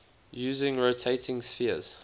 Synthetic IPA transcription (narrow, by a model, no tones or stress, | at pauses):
jʉːzɪ̃ŋɹotʰeɪtʰɪ̃ŋsfiəz̥